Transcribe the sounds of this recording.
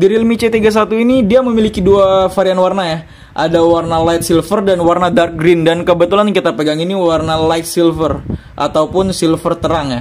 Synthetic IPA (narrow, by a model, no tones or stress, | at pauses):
daɾilmit͡ʃet̪iɡas̬at̪uinidiaməmilikiduafaɾianwarnaja | ʔadawarnalajt̪̚silfərdanwarnadark̚ɡɾɪndankəbət̪ulankit̪apəɡaŋiniwarnalajt̪̚silfər | ʔa̰t̪aupʊnsilfərt̪əɾaŋja